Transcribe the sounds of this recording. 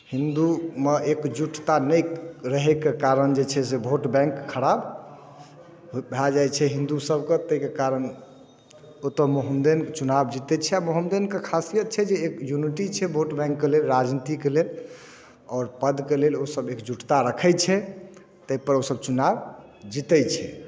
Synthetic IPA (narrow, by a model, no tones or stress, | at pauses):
hĩnd̪umeʔekd͡ʒuʈʰt̪anəjɾəɦekekaɾənd͡ʒet͡ʃʰɛsebʱoʈbɛ̃ŋkʰːəɾab | bʱad͡ʒajt͡ʃʰɛɦĩnd̪usəbket̪əikekaɾən | ot̪əmoɦəmd̪ent͡ʃunabd͡ʒit̪ɛt͡ʃʰɛamoɦəmd̪enkekʰasijət̪̚t͡ʃʰɛd͡ʒeːkjuniʈit͡ʃʰɛbʱoʈbɛ̃ŋkːelelɾad͡ʒnit̪ikelel | ɔːɾpəd̪kelelosəbekd͡ʒuʈt̪aɾəkʰɛt͡ʃʰɛ | t̪əipəɾosəb̚t͡ʃunabd͡ʒit̪ɛt͡ʃʰɛ